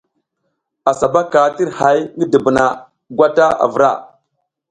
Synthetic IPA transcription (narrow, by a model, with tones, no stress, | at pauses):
a˨sa˨ba˦ka˨ti˦ɾha˨˦jŋɡə˦də˨bə˨na˨ | ɡʷa˦ta˦a̰˨və˨ɾa̰˦˨